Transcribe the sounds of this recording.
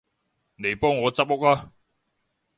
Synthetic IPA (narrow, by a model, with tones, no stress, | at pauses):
ne˨jpɔː˥ŋːɔː˨˧t͡sɐ˥p̚o˥k̚aː˦